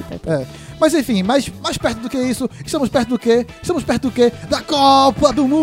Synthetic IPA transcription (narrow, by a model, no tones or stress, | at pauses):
ɛ̰ɛ | mɐzẽfĩmajsmajʃpɛɾt̪ʊd̪ʊkeisʊɪʃt̪ɐ̃mʊʃpɛɾt̪ʊd̪ʊkeɪʃtɐ̃mʊʃpɛɾt̪ʊd̪ʊked̪ɐkɔpɐd̪ʊmũ